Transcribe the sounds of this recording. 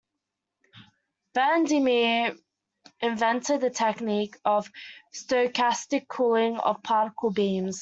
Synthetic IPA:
v̥ændimi | ɪ̃ɱvɛ̃ntəd̪̚ðətʰɛkniˑkəv̥stəkʰastɪkʰɔlɪ̃ŋə̰v̥pʰɑːˑɾɪkʰəlˠbĩːmz̥

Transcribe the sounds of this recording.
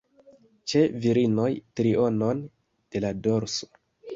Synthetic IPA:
t͡ʃe̞viɾino̞jtɾio̞no̞n | d̥e̞lado̞ɾso̥

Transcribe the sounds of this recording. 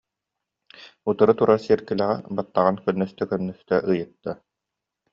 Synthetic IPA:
ut̪ɯɾɯt̪uɾaɾsiɛɾkilæʁɛ̰bat̪ːaʁankœnːœst̪œkœnːœst̪œʔɯjɯt̪ːa

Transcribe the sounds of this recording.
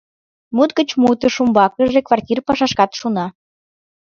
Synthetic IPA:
mut̪̚ɡət͡ɕmut̪ə̆ʃumbɑkəʒekvɑrtʲirpɑʃɑʃkɑt̪ʃunɑ

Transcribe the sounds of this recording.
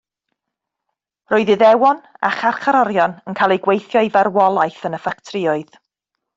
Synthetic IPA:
roːɨðɨðɛwɔna̰χarχʰaɾɔɾjɔnənkʰaːlˠejɡwejθjɔivarwɔlˠajθənəfak̚tʰrɪɔɨð

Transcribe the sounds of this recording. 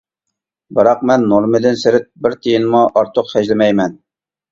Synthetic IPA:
bɨɾɑq̚mɛnːolˠmɪd̪ɪnsɪɾɪt̪̚bɪɾt̪ʰɪjɪnmuʔɑɾt̪ʰoqχɛʒlɪmɛjmɛn

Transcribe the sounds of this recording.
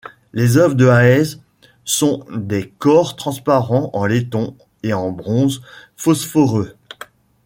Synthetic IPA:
lezœvʁd̪əaɛz | sɔ̃d̪ekɔʁt̪χɑ̃spaʁɑ̃ɑ̃let̪ɔ̃ | eɑ̃bʁɔ̃z | fɔsfɔʁø

